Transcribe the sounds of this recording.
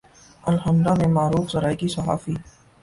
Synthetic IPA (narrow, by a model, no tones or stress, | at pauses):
ɐlhɐmɾamẽmaːɾuːxzɐɾaːikisɐɦa̰ːfiː